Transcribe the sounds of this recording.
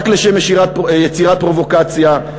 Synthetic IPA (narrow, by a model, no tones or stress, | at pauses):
kleʃemjeʃiʁat̚jet͡siʁat̪̚pʁo̞vo̞kat͡sja